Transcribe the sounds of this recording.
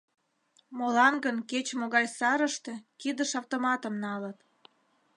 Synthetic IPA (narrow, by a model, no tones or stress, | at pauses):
molɑnɡənket͡ɕmoɣɑjsɑɾəʃt̪e̽kid̪əʃɑwt̪omɑt̪əmnɑlət̪